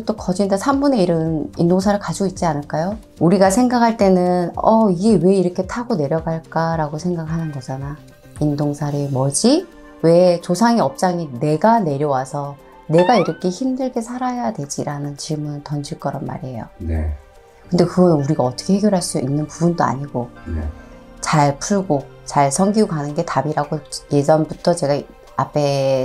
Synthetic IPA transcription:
t͈okʌd͡ʑindasʰambune̞iɾɯnindoŋsʰaɾɯɭkad͡ʑiɡoit̚t͡ɕ͈ianɯɭk͈ajo | uɾiɡasʰe̞ŋɡakʰaɭt͈e̞nɯnʌiɡe̞we̞iɾʌkʰe̞tʰaɡone̞ɾjʌɡaɭk͈aɾaɡosʰe̞ŋɡakhanɯnɡʌd͡ʑana | indoŋsʰaɾemʌd͡ʑi | we̞t͡ɕosʰaŋiʌp̚t͡ɕ͈aŋine̞ɡane̞ɾjʌwasʰʌ | ne̞ɡaiɾʌkʰe̞çimdɯɭɡe̞sʰaɾajadwe̞d͡ʑiɾanɯnt͡ɕimɯntʌnd͡ʑʰiɭk͈ʌɾʌnma̰ɾiɦe̞jo̰nḛ | kɯndekɯɡʌnnuɾiɡaʌt͈ʌ̥kʰe̞heɡjʌɾɦaɭs͈uinːɯnpubundoa̰ɲiɡo̰ | t͡ɕaɭpʰuɭɡo | t͡ɕaɭsʰʌŋɡiɡokanɯnɡe̞tabiɾaɡoje̞d͡ʑʌnbutʰʌt͡ɕe̞ɡa | apʰe̞

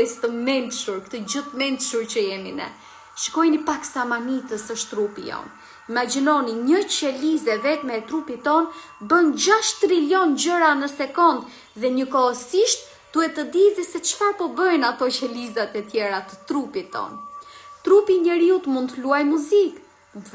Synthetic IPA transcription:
ɛst̪əmɛnt̪ʃuɾkt̪əd͡ʑət̪mɛnd̪ʃuɾt͡ɕəjɛmḭnɛ̰ | ʃə̥kɔjnipaksamanit̪əsəʃtt̪ɾupḭjɔ̰n | imad͡ʑinɔniɲət͡ɕɛlizɛvɛt̪mɛt̪ɾupit̪ːɔn | bənd͡ʑaʃt̪ɾilɔnd͡ʑəɾanəsɛkɔnd̪ | ðɛɲəkɔəsiʃt̪̚ | d̪̥uɛt̪əd̪iðɛsɛt͡ʃfaɾpɔbəjnat̪ɔcɛlizat̪ɛt̪jɛɾat̪ət̪ɾupit̪ːɔ̰nt̪ɾupiɲɛɾiut̪mund̪t̪ːəluajmuzik

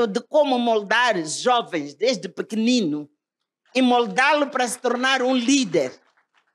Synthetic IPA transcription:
ʊd̪ɨkomʊmolˠd̪aɾʒɔvẽj̃zd̪eʒd̪ɨpɨkɪnĩnʊ | imold̪alʊpɾɐsɪ̥t̪oɾnaɾũlid̪eɾ

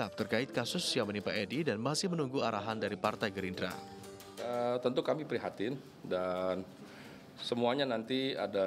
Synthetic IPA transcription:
ap̚t̪ərkaɪt̪̚kasʊsjamənipaʔɛdidanmasɪhmənuŋɡuaɾaɦandaɾipart̪ajɡəɾindɾa̰ | ət̪ənt̪ukamipɾiɦat̪ɪn | dan | səmuaɲanant̪ia̰da

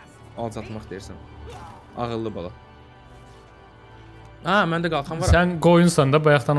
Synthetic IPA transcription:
ɑlˠzɑt̪ʰmɑχsd̪ejiɾsæn | ɑ̰ʁɯlːˠɯbɑ̰lˠɑ | æmænd̪æɡɑlˠχɑmɑɾsænɡo̞junsɑnd̪ɑbɑjɑχt̪ɑn

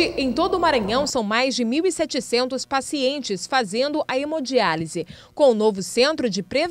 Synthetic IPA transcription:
ɪẽj̃t̪od̪ʊːmaɾɐ̃ɲɐ̃w̃sɐ̃w̃majzd͡ʒɪmiwisɛt͡ʃɪsẽnt̪ʊspasiẽnt͡ʃɪsfazẽnd̪ʊʔɐemod͡ʒializɪkõʊnovʊsẽnt̪ɾʊd͡ʒɪpɾev

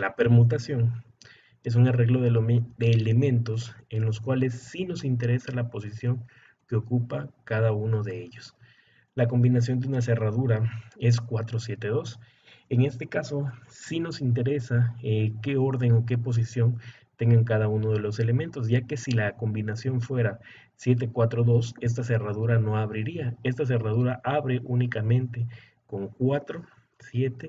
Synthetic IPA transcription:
lape̞ɾmut̪̬asjo̞ŋ | e̞s̬uŋare̞ɣlo̞ðed̪e̞ːle̞mẽ̞nt̪o̞se̞nlo̞skwale̞sːino̞sint̪̬e̞ɾe̞salapo̞s̬isjo̞ŋ | keo̞kupakaðauno̞ðe̞eʝo̞s | lako̞mbinas̬jo̞nd̪eunas̬e̞raðuɾae̞s̬kwat̪ɾosje̞t̪e̞ðo̞s | e̞ŋe̞st̪e̞kaso̞sino̞sint̪̬e̞ɾe̞sake̞o̞ɾðe̞ŋo̞k̬e̞po̞s̬isjo̞n | t̪e̞ŋɡaŋkaðauno̞ð̞e̞lo̞s̬e̞le̞ment̪o̞s̬ʝake̞silako̞mbinasjo̞ɱfwe̞ɾa | sje̞t̪̬e̞kwat̪ɾoðo̞se̞s̬t̪as̬e̞raðuɾano̞aβɾiɾiae̞st̪as̬e̞raðuɾaʔaβɾeʔunikamẽ̞nt̪e̞ | ko̞ŋkwat̪ɾo̞ | sje̞t̪e

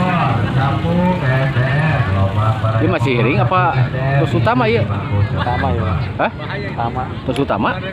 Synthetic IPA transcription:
apu | aəmasɪhɾɪŋapat̪ɔsut̪amaijəut̪amahəh | ut̪ama | t̪ɔsut̪ama

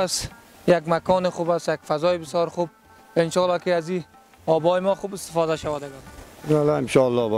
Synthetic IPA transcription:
as | jaɡmakʰɔːnɪχubasjakfazɔɪbɪsjɔːɾxub̚ | ɪnʃɔːlɑkeazi | ɔːbɔːjɪmɔχubɪst̪ɪ̥fɔd̪aʃawad̪aɡaalaɪnʃɔalːɔb

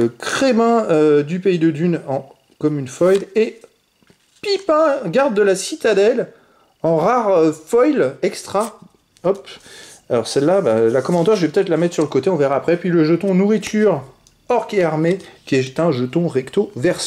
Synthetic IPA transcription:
əkχemɛ̃ød̪ypeid̪əd̪ynɑ̃ | kɔmynfɔjle | pipɛ̃ɡaʁd̪ːəlasit̪ad̪ɛl | ɑ̃ʁaʁfɔjlɛkst̪χa | ɔpalɔʁsɛlːabalakɔmɑ̃t̪ɛʁʒəvɛpø̥t̪ɛt̪χlamɛt̪χsyʁləkot̪eɔ̃veʁaːpχɛpɥiləʒət̪ɔ̃nuʁit̪ʰyʁ | ɔʁkeaʁmekʲiɛt̪ɛ̃ʒət̪ɔ̃ʁɛkt̪ovɛʁs

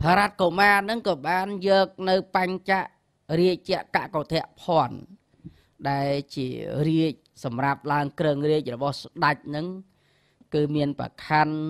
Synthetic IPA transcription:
pʰaɾat̪̚komaːnɨŋkɑːɓaːnjɔːk̚nɨwpaɲt͡ɕaʔ | riəc̚t͡ɕɛ̆əʔka̰ʔkot̪ʰɛ̆əʔpʰŏən | ɗaɛlt͡ɕiəriəc̚sɑmrap̚laəŋkrəŋriəc̚rɔɓɑhsɗac̚nɨŋ | kɨːmiənpra̰kʰan

